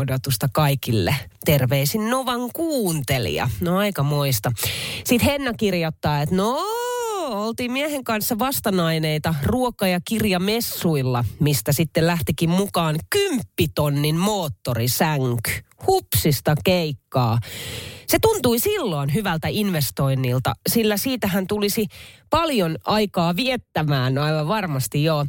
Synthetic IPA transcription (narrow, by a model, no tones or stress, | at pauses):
odot̪ust̪ɑkɑikilːḛt̪erʋeːsinnoʋɑŋkuːnt̪elḭɑ̰noɑikɑmoist̪ɑsit̪henːækirjot̪ːɑːet̪no | olt̪iːmmiæheŋkɑnsːɑʋɑst̪ɑnɑineit̪ɑruokɑjɑkirjɑmesːuilːɑmist̪æsit̪ːellæht̪ikimmukɑːnkympːit̪onːinmoːt̪ːorisæŋky̥hupsist̪ɑkeikːɑː | set̪unt̪uisilːoːnɦyʋælt̪æinʋest̪oinːilt̪ɑ̰silːæsiːt̪æɦænt̪ulisipɑljonɑikɑːʋiet̪ːæmæːnɑiʋɑʋʋɑrmɑst̪ijjoː